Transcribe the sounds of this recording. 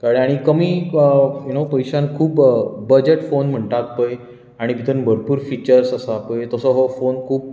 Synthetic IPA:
kaɽə̃aɽ̃ikəmiːəjunopəjɕankʰuːpbəd͡ʑeʈfonm̤əɳʈak̚pəj | aɽ̃ibʱit̪ənbʱəɾpuːɾfit͡ɕəɾsəsapəjt̪əsɔɦɔfonkʰuːp̚

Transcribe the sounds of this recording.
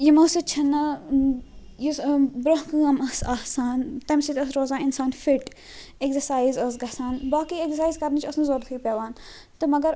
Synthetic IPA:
jimɐsit͡ʃʰɐnɐ | jisbɾɐɦkɨɐmɐsaːhsaːnt̪ɐmsit̪ʲɐs̬ɾoːzaːnɪnsaːnfiʈ | eksɐɾsaːjizɐsɡɐsaːnbaːkiekzɐɾsaːizkɐɾnit͡ʃʰɐsnɐzoːɾʰuipeːʋaːn | t̪ɐmɐɡɐɾ

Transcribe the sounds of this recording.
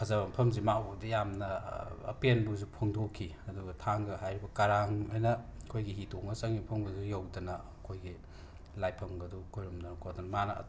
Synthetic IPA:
kʰɐzɐbɐmpʰɐmzimawdɐjamnɐɐ̰penbuzupʰoŋdokʰi | ɐduɡɐtʰaŋɡɐɦajɾibɐkaɾaŋajnɐkʰojɡiɦitoŋɐsɐŋimpʰɐmɡɐzujawdɐnɐ | kʰojɡi | lajpʰːɐŋɡɐdɔkojɾumdɐnɐkʰodɔnɐmanɐɐ̰t

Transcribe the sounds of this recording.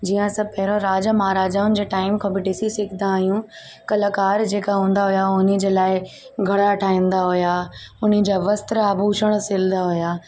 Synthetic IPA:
d͡ʑiːjə̃sɐ̃pɐɦɪɾõɾaːd͡ʑamaɦɾaːd͡ʑaːʊnɪ̆d͡ʑeːʈaːɪmkʰãbɪɖɪsisɪkʰɪd̪ãːɦijũ | kɐlakaːɾd͡ʑeːkaɦũːnd̪aɦʊjaʊnɪ̆d͡ʑeːlaːɪɡʱɐɽaʈʰaːĩːn̆d̪aɦʊjaʊnɪ̆d͡ʑaʋɐst̪ɾaːbʱuːʃəɽ̃sɪlnd̪aɦʊjaː

